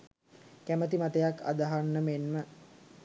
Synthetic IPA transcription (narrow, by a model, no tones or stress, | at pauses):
kæmət̪imat̪əjakːa̰d̪aɦanːəmenmə